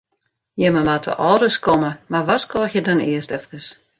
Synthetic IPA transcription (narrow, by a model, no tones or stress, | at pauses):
jəməmatʰə̰ʔɔːɾəskɔməmarʋɔskɔːxjədɔnɪəstɛfkəs